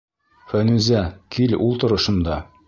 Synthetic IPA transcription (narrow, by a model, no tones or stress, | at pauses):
fænʉzækʰilulˠt̪ŏɾɤ̆ʃɤ̆nd̪ɑ